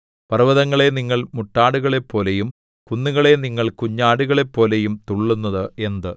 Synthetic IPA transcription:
pɐrʋɐðɐŋːɐɭe̞niŋːɐɭmuʈːaːɽuɣɐɭe̞pːo̞ːlejum | kunːuɣɐɭe̞niŋːɐɭkuɲːaːɽuɣɐɭe̞pːo̞ːle̞jumt̪uɭːunːɐðɨe̞nd̪ɨ

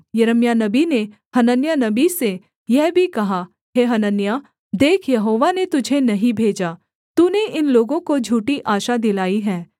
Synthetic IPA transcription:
jɐɾəmjanɐbine | hɐnənjanɐbise | jɛɦbʱikɐɦa | ɦeːɦɐnənjaː | d̪eːkʰjɐɦoːʋanet̪ʊd͡ʒʱenɐɦĩbʱeːd͡ʒaː | t̪uːneʔɪnloːɡõkod͡ʒʱuːʈiʔaːʃad̪ɪlaːiɦɛː

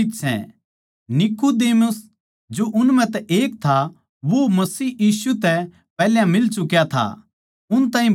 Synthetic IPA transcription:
ɪksɛ̰̃ | nɪkud̪eːmʊs | d͡ʒoʔʊnmɛ̃t̪ɛʔeːkt̪ʰa | ʋomɐsiːjiːsut̪ɛ | pɛːljãmɪlt͡ʃʊkjat̪ʰa̰ | ʊnt̪ãːɦĩ

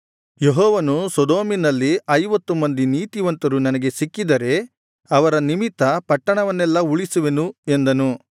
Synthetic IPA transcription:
jeɦɔːʋɐnusɔd̪oːminɐlːiɐjʋɐt̪ːumɐnd̪iniːt̪iʋɐnt̪ɐɾunɐnɐɡe̞sikːid̪ɐɾe̞ | ɐʋɐɾɐnimit̪ːɐpɐʈːɐɳɐʋɐnːɛlːɐuɭisuʋe̞nue̞nd̪ɐnu

